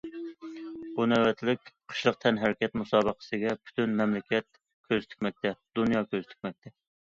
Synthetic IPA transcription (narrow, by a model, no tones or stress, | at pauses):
bunæwɛt̪ʰlɪkʲqʰə̥ʃlˠəq̚t̪ʰɛnɦæɾɪkʲɛt̪musɑːbəqʰə̥sɨɡʲɛpʰy̥t̪ʰynmɛmlɪkʲɛt̪̚ | kʲʰøzt̪ʰy̥k̚ʲmɛk̚ʲt̪ʰɛd̪̥unjɑkʲøzt̪ʰy̥k̚ʲmɛk̚ʲt̪ʰɛ